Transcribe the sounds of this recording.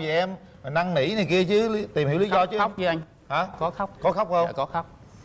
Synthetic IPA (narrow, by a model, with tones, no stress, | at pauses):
vi˨˩ʔɛ˧m˨˩na˧ŋnḭ˧˩˥na˨˩jki˧ət͡ɕɨ˨˦t̪i˨˩mhi˧˩˥li˨˦zɔ˧t͡ɕɨ˦wk͡p̚ɨ˨˦ʔa˧jŋ̟ | ha˨˦kɔ˨˦xa˦˥k͡p̚kɔ˨˦xa˦˥wk͡p̚hə˧wkɔ˨˦xa˦˥wk͡p̚